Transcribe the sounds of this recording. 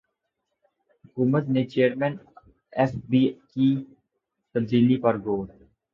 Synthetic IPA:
hʊkuːmət̪net͡ʃeːəɾmɛ̃ːn | ɛfbiki | t̪ɐb̚d̪iːlipɐɾɡoːɾ

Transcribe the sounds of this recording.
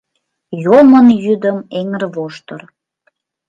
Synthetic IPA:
jomənjyd̪əmeŋərβoʃt̪ər

